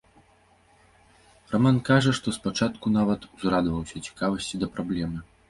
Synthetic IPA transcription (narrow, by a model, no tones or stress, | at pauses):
ramankaʐɐʂt̪ɔspat͡ʂat̪kunavɐt̪uzrad̪vɐwsʲɐt͡sʲi̥kavɐsʲt͡sʲid̪ɐpɾablʲɛmɨ